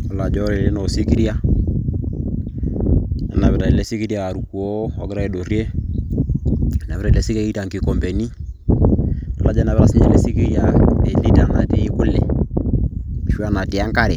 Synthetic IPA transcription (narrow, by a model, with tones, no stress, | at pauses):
a˨la˨d͡ʒɔ˦ɾɛ˨lɛ˦nɔ˨si˦ki˦ɾja˦ | ɛ̰˨˦na˨βɛ˨ta˨i˨lɛ˦si˦ki˦ɾja˨ɾu˨ku˨ɔ˦ɔ˨˦kɪ˦ɾa˦e˨do˨ɾjɛ˦ | na˨βɛ˦ɾa˦ilɛ˦si˦ka˦i˦ta˨ŋki˨kɔ˨mbɛ˨ni˦ | a̰˨la˦d͡ʒa˦na˨βɛ˦ɾa˦si˦ɲɛ˨lɛ˦si˦ki˦ɾja˨ɛ˨li˦ta˦˨na˨tɛ˨i˦ku˦lɛ̰˨ | ʃu˦a˦˨na˨ti˨a˦ŋka˦ɾɛ˨